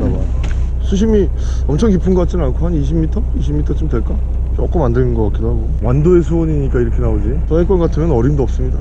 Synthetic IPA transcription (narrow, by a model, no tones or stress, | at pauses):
daba | sʰuɕ̬ʰimi | ʌmt͡ɕʰʌŋk̬ipʰɯnɡʌk͈at̚t͡ɕ͈imankʰohaniɕ̬ʰimitʰʌiɕʰimitʰʌt͡ɕomdwe̞ɭk͈a | t͡ɕʌk͈ʌmandenɯnɡʌkak͈idoɦaɡowandoesʰuwʌɲiɲik͈aiɾʌkʰe̞naod͡ʑit͡ɕʌɦek͈anɡatʰɯmjʌnʌɾimdoʌp̚s͈ɯmɲida